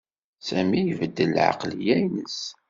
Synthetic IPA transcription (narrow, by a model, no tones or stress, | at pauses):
sæmijəvəd̪ːəlʕɑ̰qlijæjnəs